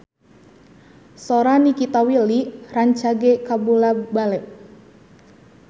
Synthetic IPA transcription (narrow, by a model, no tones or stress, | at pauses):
sɔɾanikit̪awiliraɲt͡ʃaɡekabulabalɛʔ